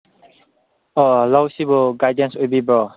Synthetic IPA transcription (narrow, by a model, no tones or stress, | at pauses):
ɔalawsibɔɡajdə̃nswebibɔ